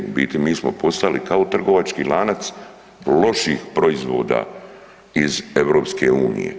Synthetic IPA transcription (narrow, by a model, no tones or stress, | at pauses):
bit̪imiːsmo̞̰po̞st̪alikaot̪r̩ɡo̞ʋat͡ʃkiːlaːnat̪s | lo̞ʃiːxpɾo̞izʋo̞̰ːd̪a̰ː | ize̞ʋɾo̞ːpske̞uːnḭjḛ